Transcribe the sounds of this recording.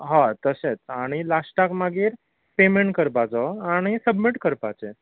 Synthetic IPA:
ɦãt̪əset͡saɽ̃ilasʈakmaɡiːɾ | pemeɳʈkəɾpat͡sɔaɽ̃isəbmiʈkəɾpat͡se

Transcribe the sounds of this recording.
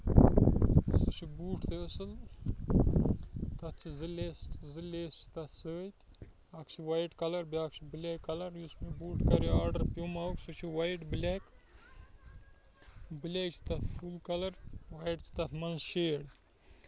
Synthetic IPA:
sɨt͡ʃʰibuːʈʰt̪eəsɨl | t̪ɐt̪̚ʰt͡ʃʰizɨleszilʲeːst͡ʃʰi̥t̪ɐt̪ʰsəːt̪ʲ | ɐkt͡ʃʰiʋajʈkɐlɐɾbiaːkʰt͡ʃʰibɨlʲekːɐlɐɾjusmibuːʈʰkɐɾiaːɾɖəɾpjumauksɨt͡ʃʰiʋajʈblʲeːk | bɨlʲet͡ʃʰi̥t̪ɐt̪ʰfulkɐlɐɾwajʈt͡ʃʰi̥t̪ɐt̪ʰmɐnzʃeːɽ

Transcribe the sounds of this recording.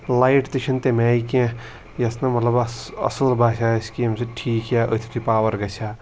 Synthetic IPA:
lajʈt̪it͡ʃʰɐnt̪emaːjkẽ | jɐsnɐmɐt̪lɐbɐɐ̰sulbʱaːʃaskiːmsʰɨʈʰiːkjaʔə̰t̪ʰi̥t̪ʰupaːwɐɾɡɐt͡ʃʰa

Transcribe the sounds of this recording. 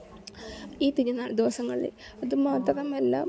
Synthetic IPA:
iːt̪iɾɐnːaːld̪iʋɐsɐŋːɐɭḭlḛ | ɐðɨmaːt̪ːɐrɐmelːa̰ːm

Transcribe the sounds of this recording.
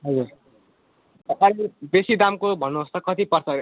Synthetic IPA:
ɦʌd͡zuɾ | t̪ʌpãjlebesid̪amkobʱʌnːuɦʌst̪ʌkʌt̪ipʌrt͡sʰʌ

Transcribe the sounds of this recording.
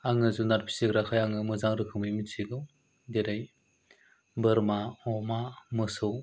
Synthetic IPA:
aŋɯzunaɾpʰi̥siɡɾakʰajaŋɯmɯzaŋɾɯkʰɯmɯjmisʰiɡɯw | deɾaj | bɯɾmaɔmamɯsɯw

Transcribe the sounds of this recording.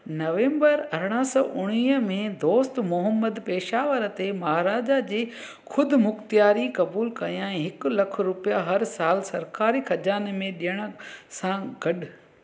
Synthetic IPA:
nɐʋẽːmbəɾɐɾɽ̃əsɔ̰ːʔʊɽ̃iːɦəmẽd̪oːst̪mʊɦəmːəd̪peːʃaːʋəɾt̪emɐɦaɾaːd͡ʑad͡ʑeː | xʰʊd̪ʱʊmʊkt̪ijaːɾikɐbuːlkɐjãɛ̃ɦɪklɐkʰɾʊpijaɦɐɾsaːlsɐɾkaːɾikʰɐd͡ʑaːnmẽɗijəɽ̃̆sãɡɐɗ

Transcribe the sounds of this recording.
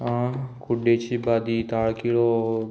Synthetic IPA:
ãkʊɖet͡ʃʰibad̪it̪aɽkiɭo

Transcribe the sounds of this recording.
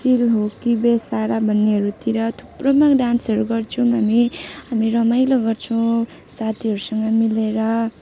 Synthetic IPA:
silɦokibesaɾabʱʌnːeɦʌɾut̪iɾʌt̪ʰu̥prʌmakɖansʌɾuɡʌrt͡sʰuɦamiɦamiɾʌmajloɡʌrt͡sʰʌw̃ | sat̪ʰiɦʌɾusʌŋɡʌmileɾʌ

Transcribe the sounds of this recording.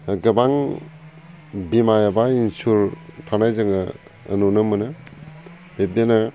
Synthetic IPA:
ɡɐbaŋ | bimajabainsuɾtʰanajzɯŋɯ̰ː | nunɯmɯnɯ | bep̚dena

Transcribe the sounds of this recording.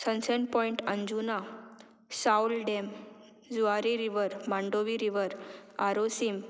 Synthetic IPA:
sə̃nseɳpɔ̃iɳʈə̃ɲd͡ʑuna | saulɖem | d͡zuaɾiɾiʋəɾmãɳɖoʋiɾiʋəɾaɾosim

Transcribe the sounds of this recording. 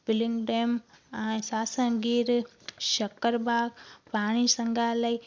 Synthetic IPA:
bɪlɪ̃ŋɡɖeːmɛ̃ːsaːsə̃ɡiːɾ | ʃɐkəɾbaːɡpaːɽ̃isɐ̃ŋɡʱalai

